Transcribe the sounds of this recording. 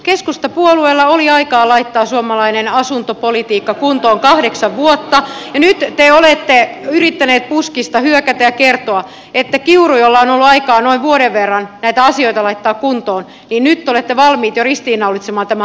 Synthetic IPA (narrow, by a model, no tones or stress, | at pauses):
keskust̪ɑpuolueːlːɑoliɑikɑːlɑit̪ːɑːsuomɑlɑinenɑsunt̪opolit̪iːkːɑkunt̪oːŋkɑhdeksɑʋʋuot̪ːɑjɑnyt̪t̪eolet̪ːeyrit̪ːæneːt̪̚puskist̪ɑhyøkæt̪æjɑkert̪oɑ | et̪ːækiurujolːɑonolːuɑikɑːnoiʋʋuoɾeʋʋerːɑnnæit̪æɑsioit̪ɑlɑit̪ːɑːkkunt̪oːn | niːnnyt̪ːolet̪ːeʋɑlmiːt̪jorist̪iːnɑulːˑit̪semɑːnt̪æmæ